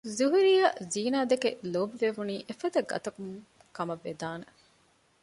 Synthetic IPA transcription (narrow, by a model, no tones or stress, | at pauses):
zuɦuɾijɐziːnaːd̪ekelobʋeʋuniːʔefɐd̪ɐɡɐ̰t̪ɐkum | kɐmɐʋːed̪aːne